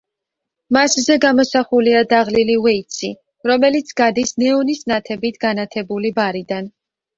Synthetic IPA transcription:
maszɛɡamɔsaχuliad̪aʁliliwɛit̪sʰḭ | ɾɔmɛlit̪sʰɡad̪isnɛɔnisnat̪ʰɛbit̪ʰɡanat̪ʰɛbulibaɾid̪an

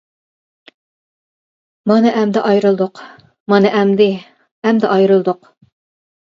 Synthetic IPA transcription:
mɑnɨʔɛmd̪ɪʔɑjɾɨlˠd̪ʊq | mɑnɨʔɛmd̪ɪ | ɛmd̪ɛʔɑjɾɨlˠd̪ʊq

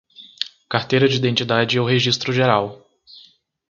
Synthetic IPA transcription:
kaɾt̪ejɾɐd͡ʒiːd̪ẽnt͡ʃid̪ad͡ʒɪɛwɦeʒist̪ɾʊʒeɾaw

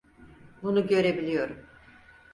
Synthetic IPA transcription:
bunuɟø̞ɾe̞bilʲijo̞ɾum

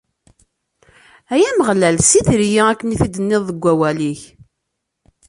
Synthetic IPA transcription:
æjæməʁlælsiθɾjiækːniθid̪ənːɪðˤːəɡʷːæwæliç

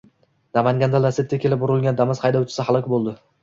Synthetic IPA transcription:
d̪amaŋɡʲand̪alaset̪̚t̪ʲakʲʰe̞lɪp̚bʊɾɪlˠɡʲand̪amɪz̥qʰɑjd̪awt͡ʃʰɪ̥sɪhalˠɒkʲbolˠd̪ɪ

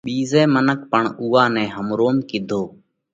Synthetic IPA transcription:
ɓiːzɛ̃ːmənək̚pəɳuːaːnɛ̃ːɦəmɾoːmkɪd̪ʱoː

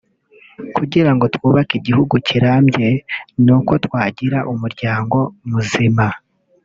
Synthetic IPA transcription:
kuɟiɾaŋɡo̞twuːβakiɟihuɡuciɾamɟe̞nuko̞twaːɟiɾaʔumuɾɟaːŋɡo̞muzima

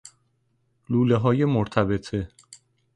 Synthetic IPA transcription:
luːleɦɒːje̞moɾt̪ʰæbet̪ʰe

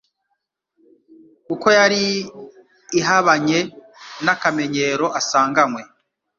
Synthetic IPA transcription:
uko̞jaɾiː | ɦaβaɲe̞ | nakame̞ɲe̞ɾo̞ʔasaːŋɡamwe̞

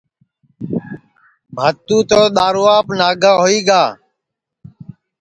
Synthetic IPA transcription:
bʱaːt̪ũːt̪oːɗ̪aːɾuːaːpnaːɡaːɦoːiːɡaː

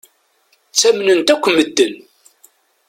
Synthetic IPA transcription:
t͡sːæmnənt̪ækʷːməd̪ːən

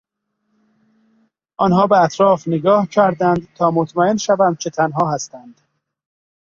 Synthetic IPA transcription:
ʔɒnɦɒːbeæt̪ʰɾɒːfneɡɒːhcʰæɾd̪ænd̪t̪ʰɒːmot̪ʰmæenʃævæn̚t͡ʃʰe̞t̪ʰænɦɒːɦæst̪ænd̪̥

